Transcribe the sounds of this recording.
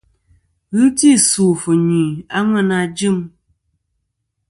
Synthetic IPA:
ɣɨ˦ti˦˨suː˨fɨ˨ɲi˨a˦ŋɛ˦na˧d͡ʒɨ˦˨m

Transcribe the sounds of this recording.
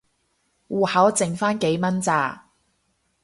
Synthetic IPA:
wuː˨hɐ˨˥wt͡sɪ˨ŋfaː˥nke˨˥jmɐ˥nt͡saː˨˧˩

